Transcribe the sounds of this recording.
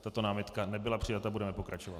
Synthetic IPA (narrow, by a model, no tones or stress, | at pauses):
t̪at̪o̞naːmɪt̪kanɛbɪlapr̥ɪjat̪abudɛmɛpo̞kɾat͡ʃovat̪